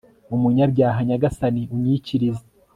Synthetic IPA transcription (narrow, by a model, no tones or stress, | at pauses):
umuɲabɟaːɦaɲaɡasaniuɲiciɾize